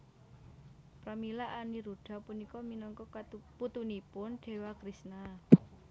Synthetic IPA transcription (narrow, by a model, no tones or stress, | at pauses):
pɾamilaʔaniɾuɖ̥a̤punikɔminɔŋkɔput̪unipʊnɖ̥e̤wakɾisna